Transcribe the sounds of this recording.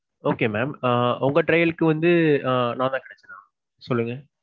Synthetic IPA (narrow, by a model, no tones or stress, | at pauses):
oːkeːmɛːmʊŋɡɐʈɾɐjɐlɯkːɯʋɐnd̪ɯnãːnt̪ãːkɐɳɛt͡ʃːɐnãː | sɔlːɯŋɡɐ